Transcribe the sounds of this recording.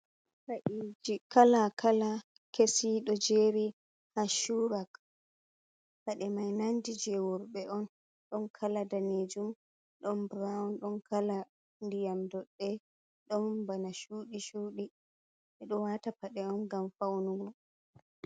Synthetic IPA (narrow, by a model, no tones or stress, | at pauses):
ɾaʔid͡ʒikalakʰala | kesiɗɔd͡ʒeɾi | haʃuɾak | paɗɛmajnandid͡ʒɛwɔɾɓɛʔɔn | ɗɔnkʰaladaned͡ʒum | ɗɔnbɾawnɗɔnkʰala | ndijamdɔɗːɛ | ɗɔmbanaʃuːɗiʃuːɗi | ɛɗɔwatapaɗɛɔnɡamfawnuɡɔ